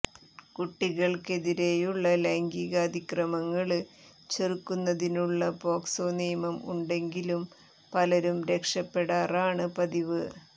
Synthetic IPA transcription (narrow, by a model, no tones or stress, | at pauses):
kuʈːiɣɐɭke̞ðiɾe̞juɭːɐleŋɡiɣɐd̪ʱikrɐmɐŋːɐɭ | t͡ɕerukːunːɐðinuɭːɐbo̞ːksoːnijɐmɐmṵɳɖe̞ŋɡilum | pɐlɐɾumɾe̞kʂɐpːe̞ɽaːraːɳɨpɐðiʋɨ